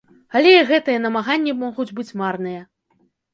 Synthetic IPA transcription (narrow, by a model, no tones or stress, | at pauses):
alʲɛɣɛt̪ɨjɛn̪ɐmaɣanʲːimɔɣud͡zʲbɨt͡sʲmarnɨjɐ